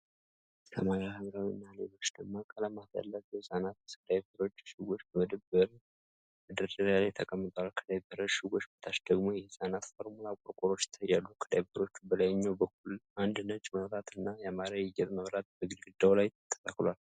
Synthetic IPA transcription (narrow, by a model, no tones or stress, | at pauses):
sʰə̰maɾahɨmɾawinːalelo̞t͡ʃːd̪əɡmakʼələmat̪a̰lːəfjɛhɨsʼanat̪skʰəd̪ajbəɾo̞t͡ʃːʃɪɡʷo̞t͡ʃːbəməd̪əbəɾ | mɨd̪əɾdəɾalajt̪ʰəkʼəmːɨt̪ʼəwalkʰəd̪ajbəɾəʃɪɡo̞t͡ʃːbət̪ʰaʃd̪əɡmo̞jɛhɨsʼanat̪foɾmulakʼoɾkʼoɾo̞t͡ʃːt̪ʰːəjːalːukʰəd̪ajbəɾo̞t͡ʃːubəlajɲːawbəkʰːulʔand̪nət͡ʃʼːməβɾat̪ʰɨnːajamaɾajɪjɛt̪ʼməβɾat̪̚bəɡɨlɡɨd̪ːawlaj̪t̪ʰːə̥sʼaklwal